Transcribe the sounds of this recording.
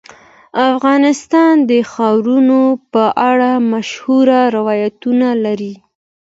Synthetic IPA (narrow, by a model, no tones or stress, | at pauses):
afɣɑnɪst̪ɑnd̪əxɑɾunopəʔaɽamaʃhuɾaɾɪwɑjat̪unalaɾi